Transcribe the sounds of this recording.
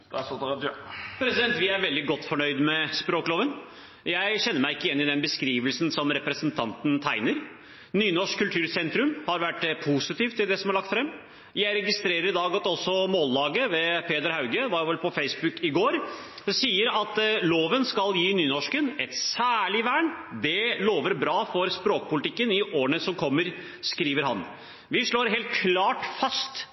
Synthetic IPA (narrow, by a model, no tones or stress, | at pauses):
pʰɾɛsɪd̪ɛnt̪ʋɪæɾʋɛld̪ɪɡɔt̪ːfɔɳœʏd̪mɛspɾoːkloːʋən | jæɪɕɛnːəɾmæɪɪkːəjɛnːɪd̪ɛnbəskɾiːʋəlsənsɔmɾɛpɾɛsənt̪ʰɑnt̪n̩t̪ʰæɪnəɾ | nyːnɔʂkkʰːʉlt̪ʰʉːɾsɛnt̪ɾʉmhɑɾʋæʈːpʰusɪt̪iːft̪ɪld̪ɛsɔmæɭɑkt̪fɾɛmː | jæɪɾɛɡɪst̪ɾeːɾəɾɪd̪ɑːɡɑt̪ɔsːɔmoːlːɑːɡəʋɛpʰeːd̪əɾhɑʉɡəʋɑːɾjʊʋɛlpʰɔfeɪsbʉkːɪɡoːɾ | siːəɾɑt̪loːʋənskɑljiːnyːnɔʂkənɛt̪sæːɭɪʋæːɳd̪ɛloːʋəɾbɾɑːfɔɾspɾoːkəpʊlt̪ɪkːənɪʔoːəɳəsɔmkʰɔmːəɾ | skɾiːʋəɾhɑ̰n | ʋɪʂɭoːɾɦɛːlt̪̚kʰlɑːʈfɑst̪